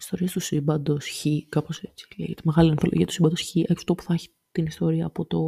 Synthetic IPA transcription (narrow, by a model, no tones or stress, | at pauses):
i̥st̪o̞ɾiɐst̪usibɐnd̪osçikaɐpo̞set͡ssi̥ʝɐt̪imeɣɐliɐnfolo̰ʝiɐt̪u̥simbɐnd̪oçiʔɐ̥ft̪o̞pu̥θɐçi̥ | t̪inist̪o̞ɾiɐːpo̞t̪o̞